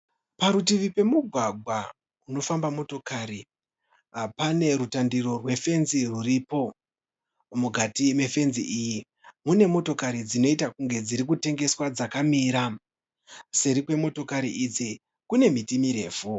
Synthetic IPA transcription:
paɾutiʋipe̞muɡʱwaɡʱwa | uno̞fambamo̞to̞kaːɾi | pane̞ɾutandiɾo̞rwe̞fe̞nziruripo̞ | muɡʱatime̞fe̞nziʔiːji | mune̞mo̞to̞kaɾid͡zino̞itakuŋɡe̞d͡ziɾik̬ute̞ŋɡe̞swad͡zakamiːɾa | seɾikwe̞mo̞to̞kaɾiʔid͡zi | kune̞mitimiɾe̞ːfu

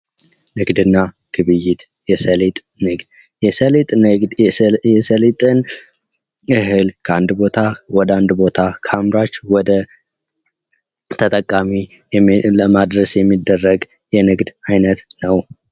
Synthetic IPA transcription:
nɨɡd̪ɨnːa | ɡ̥ɨβɨjɪt̪ | jɛsəlet̪ʼ | nɨɡd̪ | jɛsəlet̪ʼd̪jɛsəlet̪ʼɨn | ɨɦɨlkʰəand̪bo̞t̪ʰawɔd̪əand̪bo̞t̪ʰakʰamɾat͡ʃːwɔd̪ə | t̪ʰət̪ʼəkʼːami | ləmad̪ɾəsjɛmːid̪ːərːəɡ | jɛnɨɡd̪ajnət̪nəw

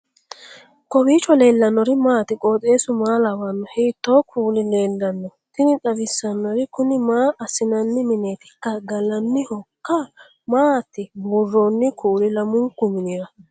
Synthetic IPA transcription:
kɔbiːt͡ʃːɔle̞ːlːɐnːɔɾɪmaːt̪ɪkʼoːt̪ʼe̞ːsʊmaːlɐwɐnːɔheːt̪ːo̞ːkʰuːlɪle̞ːlːɐnːɔt̪ɪnɪt͡sʼɐbɪsːɐnːɔɾɪkʊnɪmaːʔɐsɪnɐnːɪmɪneːt̪ɪ̥kːɐɡɐlɐnːɪhɔkːɐ | maːt̪ːɪbʊrːoːnːɪkʰuːlɪlɐmʊŋkːʊmɪneːɾɐ

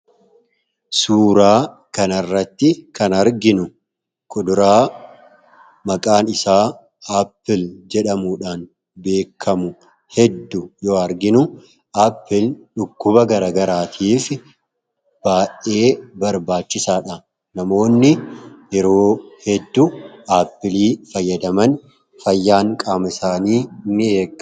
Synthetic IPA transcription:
suːɾaː | kɐnɐrːɐt̪ːɪkɐnɐɾɡɪnʊ | kʰʼɔd̪ʊɾaː | mɐkʼaːnɪsaː | apːɪld͡ʒɛᶑɐmuːᶑaːn | be̞ːkʰːɐmʊ | hɛd̪ːʊjoːɐɾɡɪnʊ | ʔapːɪlᶑʊkːʊbɐɡɐɾaːɡɐɾaːt̪ʰiːfɪ | b̥aːʔe̞ːbɐɾbaːt͡ʃːɪsaːᶑɐ | nɐmo̞ːnːɪjɛɾo̞ːhɛd̪ːʊʔaːpːɪliːfɐjːɐd̪ɐmɐn | fɐjːaːŋkʼaːmɪsaːniːnːɪeːkʼː

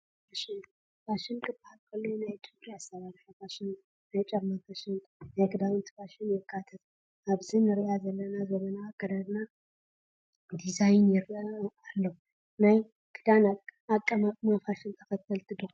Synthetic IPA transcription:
faʃɪn | faʃɪnkʼɨbahalkʰɐlːonajt͡ʃʼɛpʼaast̪ɐβaɾiħɐfaʃɪn | najt͡ʃʼɐmafaʃɪŋkʼnajkɨd̪awɨnt̪ʰɨ̥faʃɪnjɛkʰːat̪ʰɐt̪ | ʔaβzɨnɨɾijazɐlːɐnazɐmɐnaɡʼɐd̪ad̪na | d̪izajnjɛɾʔalːɐw | naj | kʰɨd̪anakʼːəmamafaʃɪnt̪ʰɐkɐt̪ʰːɐlt̪ʰɨd̪ɨ

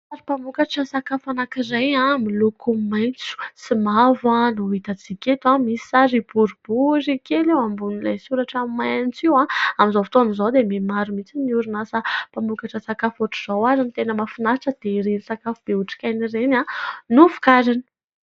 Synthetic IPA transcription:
aɾipambukaʈ͡ʂəsakafanakirajãmilukʰumajnt͡su̥simavanuit̪at͡sikʲet̪uamisi̥saɾibuɾub̥uɾikelewambunila̰jsuɾaʈ͡ʂamimːajanit͡siwãamizofi̥t̪onizowd̪ememaɾumit͡siniuɾunasapambukaʈ͡ʂəsakafuʈ͡ʂuz̥owaɾinit̪enəmafinaaʈ͡ʂəd̪̥eɾenisakafub̥euʈ͡ʂi̥kʲajnirenanufu̥kaɾini̥

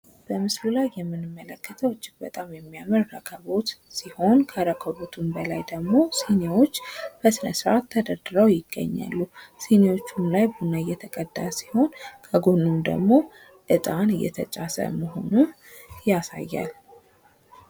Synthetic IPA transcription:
b̥əmɨslulajːɛmːɨnɨmːələkːət̪ʰəwɨt͡ʃːɪkbət̪ʼamjɛmːijamɨɾːəkʰəβo̞t̪siho̞nkʰəɾəkʰəβo̞t̪ʰumbəlajd̪əɡmo̞sinewo̞t͡ʃːb̥əsɨnəsɾat̪ʰːəd̪əɾd̪ɨɾəwjɪɡ̥ːə̰ɲːa̰lːusinewo̞t͡ʃːumlajbunaɨjːɛt̪ʰəkʼəd̪ːasi̥ho̞nkʰəɡonːumd̪ə̰ɡmo̞ | ʔɨt̪ʼanɨjːɛ̰t̪ʰət͡ʃʼasə̰məɦo̞̰nun | jasa̰jːa̰l

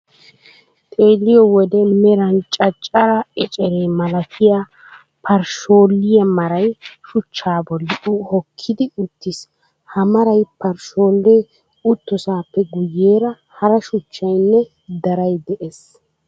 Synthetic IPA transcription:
t̪ʼeːlːɪjɔwɔd̪ɛmɛɾɐnt͡ʃʼɐt͡ʃʼːɐɾɐɛt͡ʃʼɛɾeːmɐlɐkʰɪja | pʰɐɾʃo̞ːlːɪjɐmɐɾɐjʃʊt͡ʃːaːbɔlːɪʔuhɔkʰːɪd̪ɪʊt̪ːɪs | hɐmɐɾɐjpɐɾʃo̞ːlːeː | ʊt̪ːɔsaːpːɛɡʊjːeːɾɐ | hɐɾɐʃʊt͡ʃːɐjnːɛ | d̪ɐɾɐjd̪ɛʔes

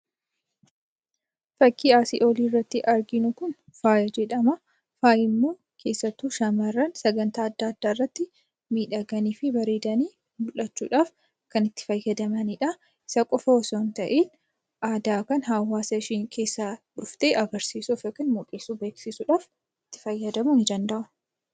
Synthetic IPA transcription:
fɐkʰːiːaːsḭʔo̞ːliːrːɐt̪ːɪʔɐɾɡɪnʊkʊn | faːjɐd͡ʒɛᶑɐmɐ | faːjɪmːo̞ː | kʰe̞ːsːɐt̪ːuːʃɐmɐrːɐnsɐɡɐnt̪aːɐd̪ːaɐd̪ːaːɪrːɐt̪ːɪ | miːᶑɐɡɐniːfɪbɐɾeːd̪ɐniː | bʊlːɐt͡ʃːṵːᶑaːf | kɐnɪt̪ːɪ̥fɐjːɐd̪ɐmɐniᶑɐ | ɪ̥sɐkʼɔfɐwɔsoːnt̪ɐʔeːn | ʔaːd̪aːkɐnɦawːaːsɐʃiːŋkʰe̞ːsːaᶑʊft̪eːʔɐɡɐɾsiːsufɐkːɪnmɔkʼeːsuːbe̞ːksɪsuᶑaːf | ɪt̪ːɪ̥fɐjːɐd̪ɐmunɪd͡ʒɐnd̪ɐʔʊ

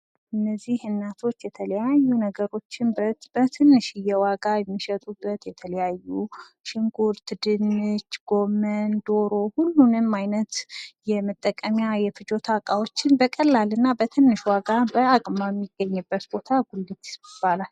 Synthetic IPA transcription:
ʔɨnːəzːihɨnːat̪ʰo̞t͡ʃːjɛt̪ʰələjajːunəɡəɾo̞t͡ʃːɪnbəb̥ət̪ʰɨnːɨʃɨjɛwaɡajɛmːiʃət̪ʼubːət̪jɛt̪ʰələjajːu | ʃɪŋɡuɾt̪ʰɨd̪ɨnːɨt͡ʃːɡ̥o̞mənd̪o̞ɾo̞hulːunɨmajnət̪jɛmɨt̪ʼːəkʼːəmjajɛfɨd͡ʒo̞t̪ʰakʼawo̞t͡ʃːɪnbəkʼəlːalɨnːabət̪ʰɨnːɨʃwaɡabəakʼmajɛmːiɡːəɲːɨbːət̪bo̞t̪ʰaɡulːɨt̪ɪ̥sbib̥alal

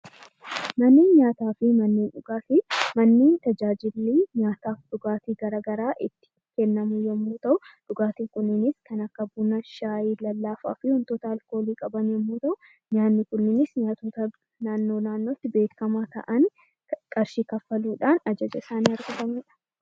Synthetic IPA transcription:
mɐnːeːnɲaːt̪aːfɪmɐnːeːnᶑʊɡaːt̪ɪmɐnːeːnt̪ɐd͡ʒaːd͡ʒɪlːiːɲaːt̪aːfᶑʊɡaːt̪iːɡɐɾɐɡɐɾaːʔɪt̪ːɪ̥ | kɛnːɐmuːjɛmːuːt̪ɐʔʊᶑʊɡaːt̪iːŋkʊnːɪnɪskɐnɐkːɐbunɐʃaːjiːlɐlːaːfa̰ːfɪhʊnt̪oːt̪ɐɐlko̞ːliːkʼɐbɐnjɛmːuːt̪ɐʔʊ | ɲaːnːɪkʊnːɪnɪsɲaːt̪uːt̪ɐ | naːnːo̞ːnaːnːo̞ːt̪ːɪbe̞ːkːɐmaːt̪ɐ̰ʔɐn | kʼɐɾʃiːkɐfːɐluːᶑaːnɐd͡ʒɐd͡ʒɐɪsaːnɪɐɾɡʊdɐmɪᶑɐ̥

